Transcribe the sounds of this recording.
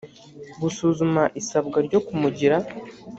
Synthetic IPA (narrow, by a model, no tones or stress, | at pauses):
ɡusuːzumaʔisabɡaɾɟo̞kumuɟiɾa